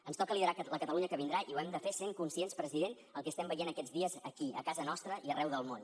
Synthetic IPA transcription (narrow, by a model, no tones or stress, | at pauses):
ənst̪ɔkəliðəɾaləkət̪əluɲəkəβind̪ɾaʔiwɛmd̪əfeseŋkunsienspɾəziðen | əlˠkɛəst̪ɛmbəjenəkɛd͡zðiəzəkiə̰kazənɔst̪ɾəʔiərʔɛwðəlˠmon